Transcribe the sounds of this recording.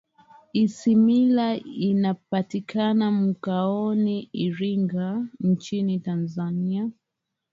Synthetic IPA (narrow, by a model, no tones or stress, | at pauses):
isimilainapatikʰanam̩kaɔniiɾiŋɡant͡ʃinitanzania